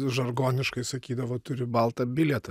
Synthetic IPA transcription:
ʒɐrɡoːnʲɪʃkɐɪsɐkʲiːd̪ɐʋoːt̪ʊɾʲɪbɐlˠt̪ɐbʲɪlʲɛt̪ɐ

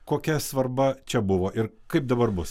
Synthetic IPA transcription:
koːkʲɛsʋɐɾbɐt͡ʃʲɛbʊʋoːʔɪɾkɐɪp̚d̪ɐbɐɾbʊs

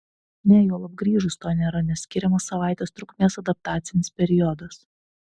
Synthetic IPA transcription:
nʲɛjoːlˠɐb̚ɡɾʲiːʒʊst̪oːnʲeːɾɐnʲɛsʲkʲɪɾʲɛmɐsːɐʋɑˑɪt̪ʲeːst̪ɾʊkmʲeːsɐd̪ɐp̚t̪ɑːt̪sʲɪnʲɪspʲɛɾʲɪjɔd̪ɐs

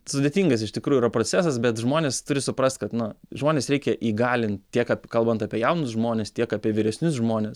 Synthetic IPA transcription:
sʊd̪ʲeːt̪ʲiːŋɡɐsɪʃt̪ʲɪkɾuːjʊiɾɐpɾoːt͡sʲæːsɐsbʲɛt̪ʒmoːnʲeːst̪ʊɾʲɪsʊpɾɐsʲt̪ʲkɐt̪nʊʒmoːnʲeːsɾʲɛɪkʲɛʔiːɡɑːlʲɪntt̪ʲiɛkɑpʲkɐlˠbɐnt̪ɑːpʲiɛjɛʊnʊsʒmoːnʲeːst̪ʲiɛkɑːpʲiɛʋʲɪɾʲɛsʲnʲʊsʒmoːnʲeːs

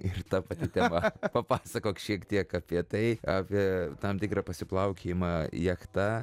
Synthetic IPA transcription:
ɪrt̪ɑpɐt̪ʲɪt̪ʲɛmɐpɐpɑːsɐkoːkʃʲiɛkt̪ʲiɛkɐpʲiɛt̪ɐɪɑːpʲiɛt̪ɐmt̪ʲɪkrɐpɐsʲɪplˠɐʊkʲʰemɑjɛkt̪ɐ

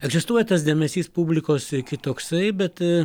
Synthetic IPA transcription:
ɛɡzʲɪst̪uɔjɛt̪ɐs̬d̪ʲeɛmʲɛsʲiːspubʲlʲɪkoːsɪkʲɪt̪oːksɐɪbʲɛt̪

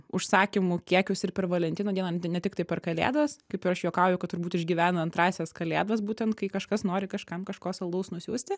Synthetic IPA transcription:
ʊʃsɑːkʲɪmʊkʲiɛkʲʊsɪrpʲɛɾʋɐlʲɛntʲɪnoːdʲiɛnɐnʲɛt̪ʲɪkt̪ɐɪpʲɛrkɐlʲḛːd̪ʋɐskɐɪpɪɾɐʃjuːkɑʊjʊkɐt̪ʊɾbuːt̪ɪʒʲɡʲiːʋʲæːnɐɐnt̪ɾɑːsʲeːskɐlʲḛːd̪ʋɐsbuːt̪ʲɛnt̪̚kɐɪkɐʃkɐsnoːɾʲɪkɐʃkɐmkɐʃkoːsɐlˠd̪ɐʊsnʊsʲuːsʲt̪ʲɪ

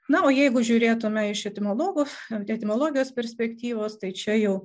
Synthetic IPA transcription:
nɐoːjɛɪɡʊʒʲuːɾʲeːt̪ʊmʲɛɪʃɛt̪ʲɪmʲoːlˠoːɡʊːɛt̪ʲɪmʲoːlˠoːɡʲɪjoːspʲɛɾʲsʲpʲɛkt̪ʲiːʋoːst̪ɐɪt͡ʃʲɛjɛʊ

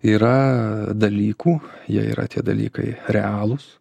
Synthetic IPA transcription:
iːɾɐd̪ɐlʲiːkuːjiɛḭːɾɐ̰t̪ʲiɛd̪ɐ̰lʲiːkɐ̰ɪɾʲɛɑːlˠʊs

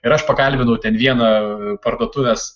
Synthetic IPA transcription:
ɪɾɐʃpɐkɐlʲbʲɪnɐʊt̪ʲɛnʋʲiɛnɐpɐɾd̪uɔt̪ʊʋʲɛs

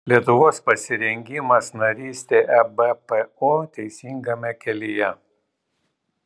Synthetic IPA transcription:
lʲiɛt̪ʊʋoːspɐsʲɪɾʲɛŋʲɡʲɪmɐsnɐɾʲiːsʲt̪ʲeːʔɛbɛpɛoːt̪ʲɛɪsʲiːŋɡɐmʲɛkʲɛlʲɪjɛ

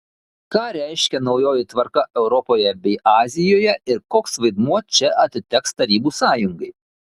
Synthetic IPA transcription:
kɑːɾʲæɪʃʲkʲɛnɒʊjoːjɪt̪ʋɐɾkɐʔɛʊɾɔpoːjɛbʲɛɪʔɑːzʲɪjoːjɛɪɾkoːksʋɐɪd̪muɔt͡ʃʲɛʔɐt̪ʲɪt̪ʲɛkst̪ɐɾʲiːbuːsɑːjʊŋɡɐɪ

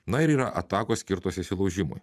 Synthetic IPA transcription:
nɐɪɾiːɾɐʔɐt̪ɑːkoːsʲkʲɪɾt̪oːsʲɪsʲɪlˠɐʊʒʲɪmo̰j

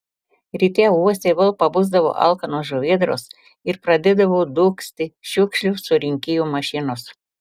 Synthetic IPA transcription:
ɾʲiːt̪ʲeːuɔsʲeʋɐlˠpɐbʊzd̪ɐʋo̰ːʔɐ̰lˠkɐnuːʒʊʋʲiɛd̪ɾo̰ːs | ɪɾpɾɐd̪ʲɛd̪ɐʋoːd̪uːksʲt̪ʲɪʃʲʊkʃʲlʲʊsʊɾʲɪŋʲkʲɪjuːmɐʃʲɪnʊs

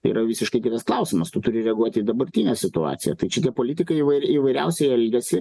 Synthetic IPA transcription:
ḭːɾɐʋʲiːsʲɪʃkɐɪkʲɪt̪ɐsklˠɐʊsʲɪmɐst̪ʊt̪ʊɾʲɪɾʲɛɐɡuɔt̪ʲiːd̪ɐbɐɾʲt̪ʲiːnʲɛsʲɪt̪ʊɑ̰ːsʲɪjɛ̰t̪ɐɪt͡ʃʲɪt̪ʲiɛpoːlʲit̪ʲɪkɐɪiʋɐɪiʋɐɪɾʲɛʊsʲɛɪɛlʲɡʲɛsʲɪ

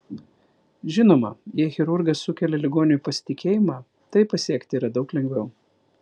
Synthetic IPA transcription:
ʒʲɪnoːmɐ̰jiɛxʲɛɾʊɾɡɐsːʊkʲɛlʲɛlʲɪɡoːnʲɪjuːpɐsʲɪ̥t̪ʲɪkʲeːjɪmɑː | t̪ɐɪpɐsʲiɛkt̪ʲɪiːɾɐd̪ɒʊklʲɛŋɡʋʲɛʊ

